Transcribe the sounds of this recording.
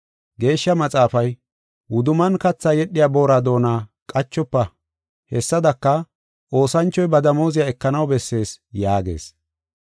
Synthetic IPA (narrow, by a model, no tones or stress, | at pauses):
ɡe̞ːʃːɐmɐt͡sʼaːfɐj | wʊd̪ʊmɐnkɐt͡sːajɛɗːɪjaːbo̞ːɾad̪o̞ːnaːkʼɐt͡ʃːɔpːɐ | hɛsːɐd̪ɐkːɐ | ʔo̞ːsɐnt͡ʃːɔjbɐd̪ɐmo̞ːzɪjaɛkːɐnɐwbɛsːe̞ːsjaːɡe̞̰ːs